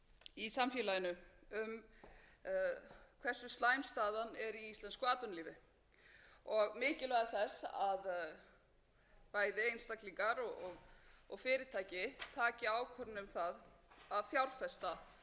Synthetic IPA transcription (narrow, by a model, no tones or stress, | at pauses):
isamfjɛːlajɪnʏʏm | kʰv̥ɛsːʏst̪laːjmst̪aːðanɛɾiist̪lɛnskʏaːt̪ʏnliːvɪ | ɔɣmɪːcɪlœɣaθɛsað | paːjðɪejnst̪akliŋkaɾɔɣɔɣɔɣfɪːɾɪt̪ʰaːjcɪt̪ʰaːcɪaːwkʰvœɾnɪʏmθaðaðfjawɾfɛst̪a